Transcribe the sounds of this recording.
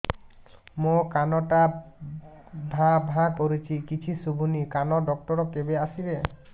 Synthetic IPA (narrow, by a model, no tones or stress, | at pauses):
mokanɔʈa | bʱabʱakoɾit͡ʃʰikit͡ʃʰisubʱunikanɔɖɔk̚ʈɔɾɔkebeasiɾe